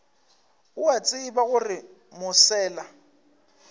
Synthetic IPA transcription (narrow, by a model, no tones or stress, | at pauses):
ʊat͡sʼɪɪbaɣʊrɪ | mʊsɛːla